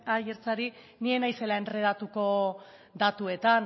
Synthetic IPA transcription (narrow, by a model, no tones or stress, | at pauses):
ajeɾt͡saɾi | nie̞najse̞lae̞nre̞ðat̪uko̞ | d̪at̪ue̞t̪an